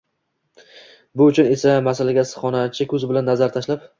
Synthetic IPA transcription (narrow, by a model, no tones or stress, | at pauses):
bʊʊt͡ʃʰʊne̞samasalaɡʲasɨ̥χɒnat͡ʃʰɪkʲʰɵzbɪlanːazaɾt̪ʰaʃlap